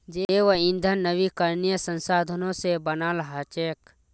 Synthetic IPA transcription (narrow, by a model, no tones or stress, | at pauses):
d͡ʒeʋəɪ̃nd̪ʱənːəʋikəɾnijəsə̃nsaːd̪ʱənõsebənalɐɦat͡ʃeːk